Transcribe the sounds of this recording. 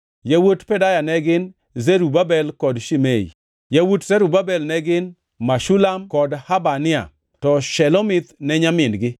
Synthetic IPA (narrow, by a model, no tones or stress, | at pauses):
jawotpɛdajanɛɡɪn | zeɾubabɛlkɔdʃimeḭ | jawutzɛɾubabɛlnɛɡɪn | maʃulamkɔdhabanɪa̰ | tɔʃɛlomɪt̪nɛɲamɪnɡɪ